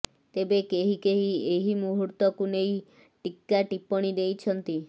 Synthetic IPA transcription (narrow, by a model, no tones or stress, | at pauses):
t̪ebekeɦikeɦieɦimuɦuɾt̪ɔkunej | ʈikːaʈipɔɽ̃id̪ejt͡ʃʰɔnt̪i